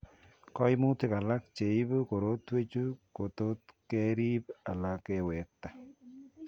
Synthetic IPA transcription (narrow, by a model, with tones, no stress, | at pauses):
kɔ˦ɪ˦mu˦te˦ka˨la˦k̚t͡ʃe˨i˦bo˦ko˨ɾo˦twe˦t͡ʃu˦ko˨t̪o˦t̪ke˦ɾi˦ba˨la˦kɛ˦wɛ˨k̚ta˨